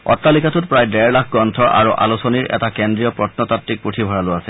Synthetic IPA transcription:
ɔ̰tːalikatut̚pɹajdɛɹlakʰɡɔntʰɔʔa̰ɹuʔa̰lusɔniɹʔɛ̰takendɹijɔpɹɔtnɔtatɹik̚putʰibʱɔɹaloasɛ

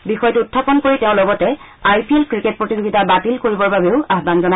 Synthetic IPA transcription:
bixɔjtuutʰːapɔnkoɹiteʊ̃lɔɡɔtɛ | ajpielkɹiket̚pɹotizoɡitabatilkoɹibɔɹbabeʊaɦdanzɔna

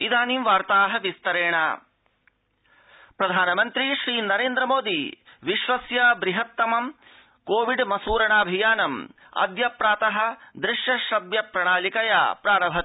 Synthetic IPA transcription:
id̪aːnimʋaːɾt̪aːɦɐ̆ʋist̪ɐɾeːɳa̰ | pɾɐd̪ʱaːnɐmɐnt̪ɾiʃɾiːnɐɾeːnd̪ɾɐmoːd̪iʋiʃʋɐsjɐbɾiɦɐt̪ːɐmɐm | koːʋiɖmɐsuːɾɐɳaːbʱijaːnɐm | ɐ̰d̪jɐpɾaːt̪ɐɦɐ̆d̪ɾɪʃjɐʃɐbjɐpɾɐɳaːlikɐja̰ːpɾaːɾɐbʱɐt̪

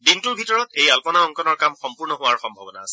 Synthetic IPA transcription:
dintuɹbʱitɔɹɔtejalpɔnaɔŋkɔnɔɹkamxɔmpuɹnɔɦʊwaɹxɔmbʱabɔna̰ːsɛ

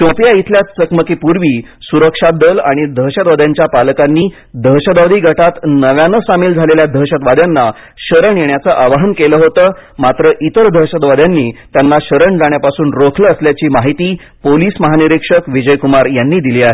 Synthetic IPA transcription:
t͡ɕõpjait̪ʰljat̪səkməkiːpuɾʋiː | suɾəkʂad̪əlaɽ̃id̪ʱəɦɕəd̪ʋad̪jaɲt͡ɕjapaləkanːiː | d̪ʱəɦɕəd̪aʋd̪ʱiːɡʱəʈat̪nəʋjãnəsamiːld͡zʱaleljad̪ʱəɦɕət̪ʋad̪janːa | ɕəɾəɳjeɳjat͡səʔaʋaɦənkeləːɦot̪əːmat̪ɾəʔit̪əɾd̪ʱəɦɕət̪ʋad̪janːiːt̪janːaɕəɾəɳd͡zaɽ̃japasuːnɾokʰləːsljat͡ɕiːmaɦit̪iː | poliːsməɦaniɾikʂəkʋid͡ʑəjkumaɾjanːiːd̪iliːaɦe

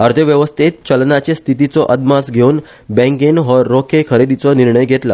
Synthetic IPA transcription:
əɾd̪ʰʱəʋjəʋəst̪ʰet̪̚t͡ɕəlnat͡ɕest̪ʰit̪it͡sɔʔəd̪masɡʱeuːn | bɛ̃ŋɡenɦɔːokʰekʰəɾed̪it͡sɔniɾɳəjɡʱet̪la

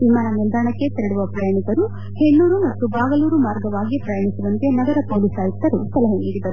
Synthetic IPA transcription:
ʋimaːnɐmild̪aːɳɐkːet̪eɾiɽuʋɐpɾɐjaːnikɐɾu | he̞nːuːɾumɐt̪ːubaːɡɐluːɾumaːɾɡɐʋaːɡipɾɐjɐːɳisuʋɐnt̪enɐɡɐɾɐpoːliːsaːjit̪ːɐɾust̪ɐlɐɦɐniːɽid̪ɐɾu

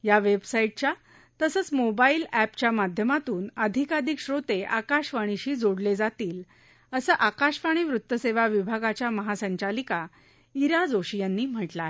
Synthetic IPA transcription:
jaʋebsaiʈ̚t͡ɕja | t̪əsəːt͡smobailæpt͡ɕjamad̪ʱjəmat̪uːnəd̪ʱikad̪ʱikɕɾot̪eʔakaɕʋaɽ̃iɕiːd͡zoɽled͡zat̪iːl | əsəʔakaɕʋaɽ̃iːʋɾut̪ːəseʋaʋibʱaɡat͡ɕjaməɦasəɲt͡ɕalika | iɾad͡zoɕijənːiːm̤əʈla

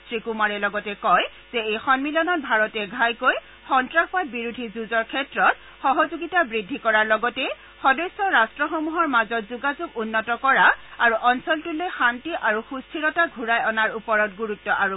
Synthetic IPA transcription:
tʰɹikumaɹɛlɔɡɔtɛkɔj | z̥ɛejxɔnmilɔnɔt̚bʱaɹɔtɛɡʱajkoj | xɔntɹaxbat̚biɹudʱizuzɔɹkʰɛtɹɔt | xɔɦɔzuɡitabɹidʱːikɔɹaɹlɔɡɔtɛ | xɔdɔjsɔɹastɹɔxɔmuɦɔɹmazɔtzuɡazuɡunːɔtɔkɔɹaaɹuʔɔnsɔltulojxantiʔaɹuxustʰiɹɔtaɡʱuɹajɔnaɹupɔɹɔtɡuɹutːɔʔaɹu

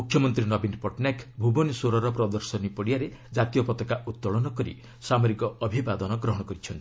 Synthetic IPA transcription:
mukʰːjɔmɔnt̪ɾinɔbinpɔʈnakbʱubonsoɾɔɾɔpɾɔd̪ɔɾsɔnipɔɽijaɾed͡ʒat̪ijɔpɔt̪ɔkaʔut̪ːɔɭɔnɔkɔɾḭ | samoɾikɔɔbʱibad̪ɔnɔɡɾɔɦɔɽ̃ɔkɔɾit͡ʃʰɔnt̪i̥

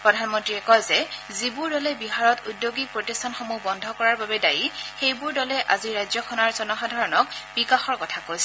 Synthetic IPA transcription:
pɹɔdʱanmɔntɹiɛkɔjzɛzibuɹdɔlɛbiɦaɹɔtudjoɡik̚pɹotistʰanxomubɔndʱɔkɔɹaɹbabɛdajixejbuɹdɔlɛʔaziɹajzjɔkʰɔnaɹzɔnɔxadʱaɹɔnɔkb̥ikaxɔɹkɔtʰakojsɛ

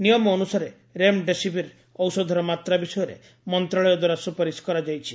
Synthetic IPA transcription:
nijɔmɔːnusaɾe | ɾemɖesipiɾ | ɔwsɔd̪ʱɔɾɔmat̪ɾabisɔjɔɾḛ | mɔnt̪ɾaɭɔjɔd̪waɾasupaɾiskɔɾad͡ʒajt͡ʃʰi̥

